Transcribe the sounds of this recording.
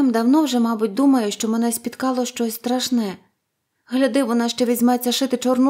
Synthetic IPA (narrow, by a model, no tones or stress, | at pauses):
ɪmd̪ɐwnɔwʒɛmɑbʊtʲd̪umɐjʊʃt͡ʃɔmɛnɛsʲpʲit̪kɑlˠɔʃt͡ʃɔsʲst̪ɾɐʃnɛ | ɦlʲɐd̪ɪʋɔnɑʃt͡ʃɛʋʲizʲmɛt͡sʲːɐʃɪt̪ɪt͡ʃɔrn